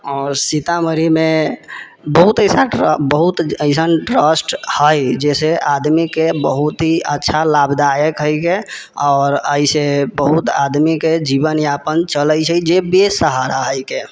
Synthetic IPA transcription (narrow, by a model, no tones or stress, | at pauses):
ɔːɾsit̪aməɾime | bəɦut̪əsabəɦut̪əɪsənʈɾəsʈhəjd͡ʒeseʔad̪mikebəɦut̪ɦiətːʃʰalabd̪ajəkɦəɪke | ɔːɾəisebəɦut̪a̰d̪miked͡ʒibənjapənt͡ʃələjt͡ʃʰəd͡ʒebesəɦaɾaɦəjke